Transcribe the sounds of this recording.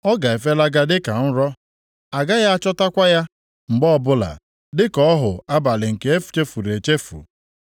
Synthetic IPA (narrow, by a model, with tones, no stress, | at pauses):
ɔ˦ɡa˨e˨fe˦la˦ɡa˦dɪ˦ka˨n̩˦ɾɔ˦ | a˨ɡa˦ja˦a˦t͡ʃɔ˦ta˦kʷa˦ja˦ | ŋ͡m̩˨ɡ͡bɔ˦ɔ˦˨bʊ˦la̰˨ | dɪ˦kɔ˦ɔ˦ɦʊ˨a˦ba˨lɪ˨ŋ̩˨ke˨e˦fu̥˨t͡ʃe˦fu˨ɾe˨t͡ʃe˦fṵ˨